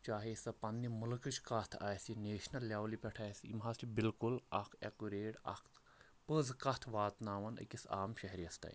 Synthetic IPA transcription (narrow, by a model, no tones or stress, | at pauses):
t͡ʃaːɦesɐpɐnːimulkɨt͡ʃkɐt̪ʰa̰ːjsineːʃnɐlːjaːwlipʲɛʈʰaːjsḭmɦast͡ʃibilkulɐkʰekuɾeːʈɐ̰k̪ʰ | pəzkɐt̪ʰʋaːt̪naːʋɐnɨ̰kʲisa̰ːmʃɐɦɾijɐst̪ɐ̰ːj